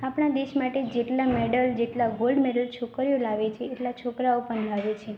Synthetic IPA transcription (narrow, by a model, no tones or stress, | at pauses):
apɽ̃ad̪eʃmaʈed͡ʒeʈlameɽəld͡ʒeʈlaɡolɖmeɽəlt͡ʃʰokɾijolaʋet͡ʃʰeːʈlat͡ʃʰokɾaopəɳlaʋet͡ʃʰe